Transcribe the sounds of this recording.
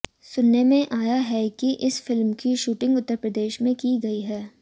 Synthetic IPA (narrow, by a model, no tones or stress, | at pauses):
sʊnːemẽʔaːjaɦɛkiʔɪsfɪlmkiʃuːʈɪ̃ŋɡʊt̪ːəɾpɾɐd̪eːʃmẽkiɡɐiɦɛː